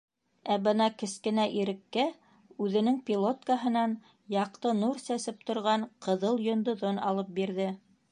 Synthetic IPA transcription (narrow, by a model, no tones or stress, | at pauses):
æbɤnɑkɘ̆skɘ̆næʔiɾɘ̆kːæ | ʉðɘ̆nɘŋpʲilˠo̞t̪kaɦɤ̆nɑn | jɑq̚t̪ɤnuɾsæsɘp̚t̪ŏɾʁɑnqɤ̆ðɤlˠjŏnd̪ɤ̆ðonɑ̰lˠɤp̚biɾðɘ